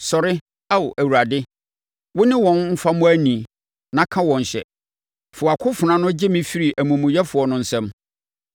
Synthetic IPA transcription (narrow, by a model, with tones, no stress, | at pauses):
sɔ˨ɾɪ˦ | a˦˨ʔæ˨wu˨ɾa˨dɪ˦ | wʊ˦nɪ̃˦wɔ̃˨nm̩˦fa˦mʊ̃˦æ˦nĩ˨ | nã˨˦kʰã˦wɔ̃˨n˨ɕɛ̰˨ | fʊ˨a˨kʰʊ˦fʊ˨nã˦nʊ̃˦d͡ʑɪ˦mĩ˦fi˦ɾi˨ʔæ˨mũ˨mũ˨jɛ˦fʊ˨ɔ˨nʊ̃˨n̩˨sɛ̃˦m